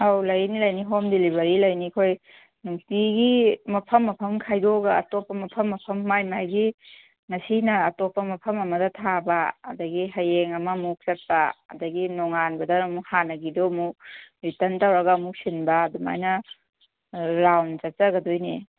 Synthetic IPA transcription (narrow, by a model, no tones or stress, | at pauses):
awlɐjnilɐjniɦomdelibɐɾilɐjnikʰoj | nuktiɡimɐpʰɐmːɐpʰɐmkʰajdoɡɐɐ̰topːɐmɐpʰɐmːɐpʰɐmːajmajɡi | ŋɐsinɐːtopːɐmɐpʰɐmɐmɐdɐtʰabɐ̰ːdɐɡiɦɐjeŋɐmɐmuk̚sɐt̚pɐɐ̰dɐɡinɔŋanbɐdɐɐmuhanɐɡidomuɾitɐntawɾɐɡɐmuk̚sinbɐːduma̰jnɐ | ɾawnzɐt̚t͡ʃɐɡɐdojni